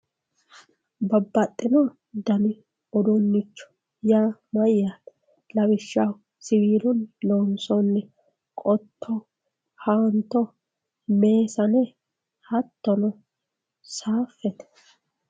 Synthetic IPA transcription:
bɐbːɐt̪ʼːɪnɔ | d̪ɐnɪ | ɔd̪ɔnːɪt͡ʃːɔ̥ | jaːmɐjːaːt̪ | lɐβɪʃːawʊ | sɪwiːlʊnlɔnsɔnːɛ | kʼɔt̪ʰːɔ | haːnt̪ːɔ | me̞ːsɐnɛ | hɐt̪ːɔnɔ | saːfːɛt̪ɛ̥

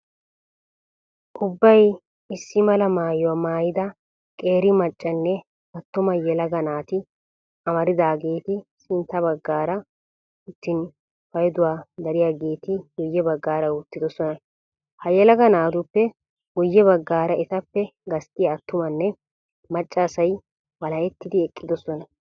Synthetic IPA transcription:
ʔʊbːɐj | ɪsːɪmɐlɐmaːjwɐmaːjɪd̪ɐ | kʼeːɾɪmɐt͡ʃʼːɐnːɛ | ɐt̪ːʊmɐjɛlɐɡɐnaːt̪ɪ | ɐmɐɾɪd̪aːɡe̞ːt̪ɪsɪnt̪ːɐbɐɡːaːɾɐ | ʊt̪ːɪn | fɐjɛd̪ʊwaːd̪ɐɾɪjaːɡe̞ːt̪ɪɡʊjːɛbɐɡːaːɾɐʊt̪ːɪd̪ɔsɔnɐ | hɐjɛlɐɡɐnaːd̪ʊpːɛ | ɡʊjːɛβɐɡːaːɾɐʔɛt̪ɐpːɛɡɐst̪ʼɪjɐːt̪ːʊmɐnːɛ | mɐt͡ʃʼːɐːsɐj | wɐlɐɛt̪ːɪd̪ɪɛkʼːɪd̪ɔsɔnɐ

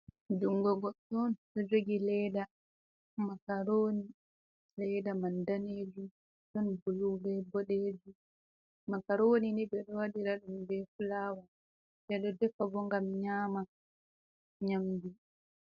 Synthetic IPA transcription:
d͡ʒuŋɡɔɡɔtɔnɗɔd͡ʒoɡilɛda | makaɾoːni | lɛjdamandaneːd͡ʒu | ɗɔnbulubɛbɔɗeːd͡ʒu | makaɾoːninibɛɗɔwaɗiɾaɗumbɛfulaːwa | ɗɛɗɔdɛfːabɔŋɡamɲaːma | ɲamdi

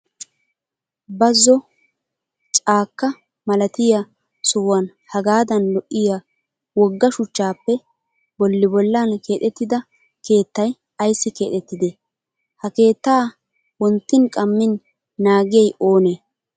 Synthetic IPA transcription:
bɐzːɔ | t͡ʃʼaːkːɐ | mɐlɐt̪ɪja | sɔwɐn | hɐɡaːd̪ɐnlɔʔːɪja | wɔɡːɐʃʊt͡ʃːaːpːɛ | bɔlːɪbɔlːanke̞ːt̪ɛt̪ːɪd̪ɐ | ke̞ːt̪ːɐj | ɐjsːɪke̞ːt̪ɛt̪ːɪd̪e | hɐke̞ːt̪ːaː | wɔnt̪ːɪnkʼɐmːɪnː | aːɡɪjɐjoːneː

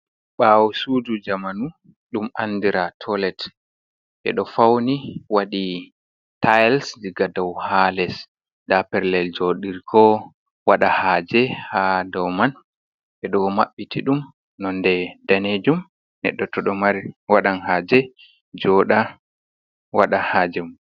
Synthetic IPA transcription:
ɓawɔsud͡ʒud͡ʒamanu | ɗumʔa̰ndiɾatʰɔlɛt | ʔɛ̰ɗɔfawniwaɗi | tʰajlsdiɡadɔwhalɛs | dapɛɾlɛld͡ʒoɗiɾkʰɔ | waɗahaːd͡ʒɛhadɔwman | ʔɛɗɔmaɓːitʰiɗum | nɔndɛdaned͡ʒum | nɛ̰ɗːɔtɔɗɔmaɾiwaɗanhaːd͡ʒɛ | d͡ʒɔːɗa | waɗahaːd͡ʒɛmu

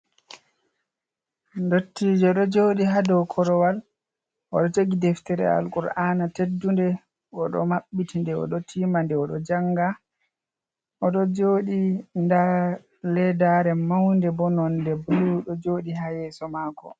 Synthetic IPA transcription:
ndotːiːd͡ʒɔɗɔd͡ʒoːɗiɦadɔkʰɔɾɔwal | ʔɔɗɔteɡidɛftɛɾɛ̰a̰lkuɾaːnatedːundɛ | ɔɗɔ̰maɓːitindɛɔ̰ɗɔtʰiːmandɛɔɗɔd͡ʒaŋɡa | ʔɔɗɔd͡ʒoːɗinda | lɛdaɾɛmawndɛbɔnɔndɛbuluɗɔd͡ʒoɗiɦajɛsɔmaːkɔ̰

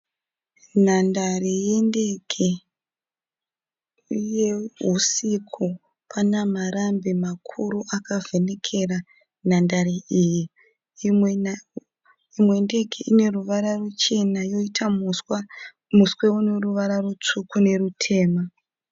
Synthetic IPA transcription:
nandarijendekʰe | jeɦusikʰu | pʰanamaɾambemakʰuɾuʔakavene̞kʰe̞ra | nandaɾiʔiːji | imwe̞nde̞keʔine̞ruʋaɾarut͡ʃe̞najo̞itʰawa | musweuneruʋaɾarut͡ʂukune̞rutʰe̞ːma

